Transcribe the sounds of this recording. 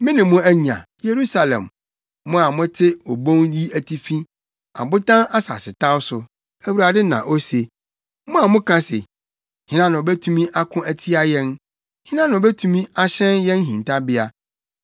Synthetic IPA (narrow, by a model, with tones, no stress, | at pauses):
mɪ̃˦nɪ̃˨mʊ̃˦æ˦ɲã̰˨je˨ɾu˦sa˨lɛ̰̃˨mː | ʊ̃˦a˨mʊ̃˦tʰɪ˦o˨bõ˦ŋji˦æ˨tʰi˦fĩ˦ | a̰˨bʊ˦tã˦na˦sa̰˨sɪ˨tʰa˦wsʊ˨ | æ˨wu˨ɾa˨dɪ˦nã̰˨ʔo˦se˨ | mʊ̃˦a˨mʊ̃˦kʰã˦sḛ˨ | hɪ̃˦nã˦nʊ̃˨o˨bɛ˦tʰu˦mĩ˦ʔa˦kʰʊ̃˦æ˨tʰi˦a˦jɛ̃˦n | hɪ̃˦nã˦nʊ̃˨o˨bɛ˦tʰũ˦mĩ˦a˦ɕɛ̃˦njɛ̃˦n˦ɦĩ˨ntʰa˦bɪ˦a˨